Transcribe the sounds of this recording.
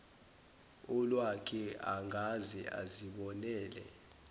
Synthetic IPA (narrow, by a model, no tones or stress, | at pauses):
ɔlwakʰɛaŋɡʱazɛa̰ziɓɔnɛːlɛ̰